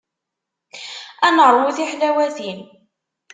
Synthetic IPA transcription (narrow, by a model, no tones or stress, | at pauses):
ænəɾˤuθiħlæwæθin